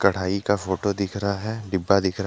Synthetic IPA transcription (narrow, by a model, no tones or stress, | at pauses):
kɐɽ̤aːikafoːʈod̪ɪkʰɾaaɦɛɖɪbːad̪ɪkʰɾ